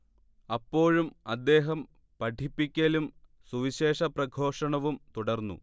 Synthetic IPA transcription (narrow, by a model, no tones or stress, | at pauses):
ɐpːo̞ːɻumɐd̪ːe̞ːɦɐm | pɐʈʰipːikʲːɐlum | suʋiɕe̞ːʂɐprɐɡʱo̞ːʂɐɳɐʋumt̪uɽɐrnːṵ